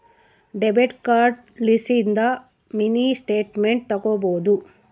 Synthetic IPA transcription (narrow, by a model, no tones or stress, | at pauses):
ɖebeʈkaːɾɖ | lisind̪ɐ | minisʈeːʈmeɳʈ̚t̪ɐɡoːboːd̪u